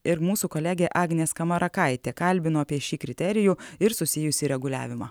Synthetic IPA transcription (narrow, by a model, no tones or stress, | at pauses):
ɪɾmuːsuːkolʲæɡʲeːʔɑːɡnʲeːskɐmɐɾʔɐkɐɪt̪ʲeːkɐlʲbʲɪnoːɐpʲiɛʃʲiːkɾʲɪt̪ʲɛɾʲɪjuːɪɾsʊsʲɪjʊsʲiːɾʲɛɡʊlʲæ̰ːʋʲɪmɑ̰ː